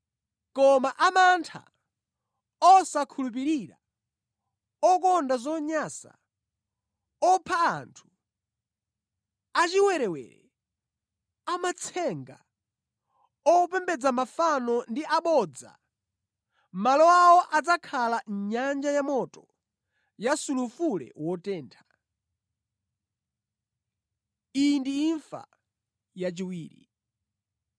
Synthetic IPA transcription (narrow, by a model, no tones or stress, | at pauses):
kɔmaʔamantʰa̰ | ɔsakʰulup̬iɾiɾa̰ | ɔkɔndazɔɲaːsa̰ | ɔpʰa̰ːntʰu̥ | at͡ʃiwɛɾɛwɛ̰ːɾɛ̰ | amat͡sʰɛŋɡa̰ | ɔpɛmbɛd͡zamafanɔndiʔaɓɔd͡za̰ | malɔawɔʔad͡zakʰalaɲand͡ʒajamɔtɔ | jasulufulɛ̰wɔtɛːntʰḁ | indiːɱfa̰ | jat͡ʃiwiːɾḭ